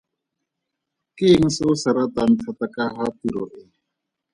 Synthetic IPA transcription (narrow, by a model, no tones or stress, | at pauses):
kiŋsosaɾat̪antʰat̪akaɦat̪iɾɔʔɛ